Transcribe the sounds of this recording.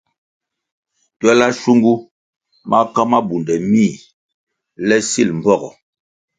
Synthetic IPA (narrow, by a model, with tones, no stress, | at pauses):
twɛ˦la˦ʃu˦ŋɡu˦ | ma˦ka˦ma˦bu˨ndɛ˨mi˦˨ | lɛ˦si˦lm̩˨bɔ˦ɡɔ̰˨